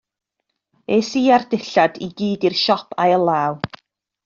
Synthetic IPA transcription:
esiːardɪɬadiɡiːdirʃɔpʰajəlˠaːw

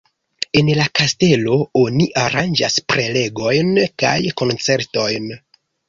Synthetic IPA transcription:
e̞nlakaste̞lo̞o̞niʔaɾand͡ʒa̰spɾe̞le̞ɡo̞jnka̰jko̞nt͡se̞ɾto̞jn

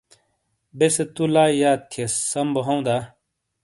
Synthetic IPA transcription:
beset̪ulaːijaːt̪̚kʰesːɐmboɦɐw̃d̪a

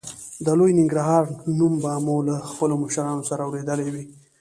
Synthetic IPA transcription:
d̪əlojnɪŋɡɾəɦɑɾnumbɑmolaxpəloməʃaɾɑnosaɾaːwɾed̪əlewi

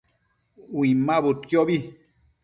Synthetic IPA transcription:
wĩmãbokjɔbi

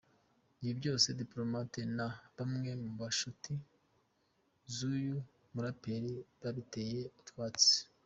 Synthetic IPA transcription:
iibɟo̞ːse̞diplo̞matenaβamŋe̞muβaʃuti | zuju | muɾape̞ɾiβaβite̞je̞utkwaːt͡se̥

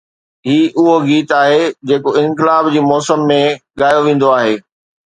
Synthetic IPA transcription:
ɦiːʔʊɦoɡiːt̪aːɦed͡ʑeːkoɪ̃nkɪlaːbd͡ʑiːmɔːsəmːẽɠaːjoʋẽːn̆d̪oaːɦeː

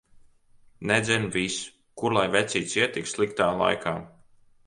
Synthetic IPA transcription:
nɛd̪zʲɛnvis | kuɾlˠajvɛt̪sʲiːt̪siɛt̪ikslˠikt̪aːlˠa̰jkʰaː

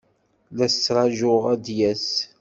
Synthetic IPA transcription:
læst͡sːɾˤɑʒʊʁæd̪jæs

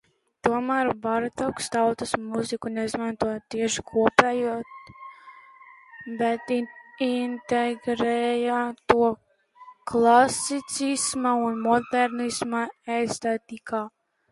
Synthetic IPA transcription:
t̪uɔmaːɾbaɾt̪ɔkst̪awt̪usmuzikunɛizmant̪uɔjt̪iɛʃi̥kʰuɔpɛːjuɔt̪ | bɛt̪int̪ɛɡɾɛjat̪uɔ | klˠasit̪sismaunmɔd̪ɛɾnismaɛjst̪ɛt̪ikaː

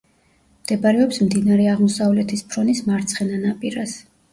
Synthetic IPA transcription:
md̪̥ɛbaɾɛɔpsmd̪inaɾɛaʁmɔsavlɛt̪ʰispʰɾɔnismaɾt̪sʰχɛnanapʼiɾas

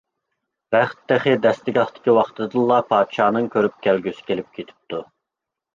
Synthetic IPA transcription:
bæχt̪ːæχɪd̪ɛst̪ɪɡʲɑχt̪ʰɪ̥kʲiwɑχt̪ʰɨd̪ɨnlˠːɑpʰɑːd̪ʃɑːnɨŋkʲʰøɾyp̚kʲælɡʲysɪ̥kʲʰelɪp̚kʲʰet̪ʰy̥p̚t̪ʰu

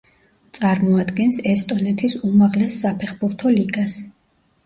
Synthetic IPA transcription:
t̪sʼaɾmɔad̪ɡɛnsɛst̪ʼɔnɛt̪ʰisumaʁlɛsːapʰɛχbuɾt̪ʰɔliɡas

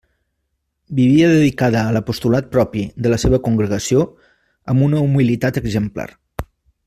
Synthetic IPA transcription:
biβ̞iəðəðikaðəːləpust̪ulat̪̚pɾɔpid̪ələseβ̞əkuŋɡɾəɣəsio | əmunəumilit̪at̪əɡzəmpla̰r

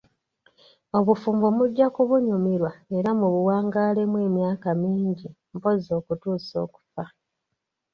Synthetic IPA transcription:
o̞βufuːmbomuɟːakuβuɲumiɾwaeɾamuβuwaːŋɡaːle̞mwe̞ːmjaːkamiːɲɟi | mpo̞zo̞ːkutuːso̞ːku̥fa

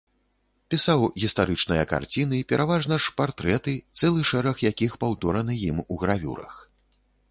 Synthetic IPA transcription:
pʲisawɣʲist̪aɾɨt͡ʂnɨjɐka̰rt͡sʲinɨipʲɛɾʔavaʐnɐʂpart̪ɾɛt̪ɨt̪sɛlˠɨʂɛɾɐxjakʲixpawt̪ɔɾɐnɨjimuɣɾavʲṵɾɐ̰x

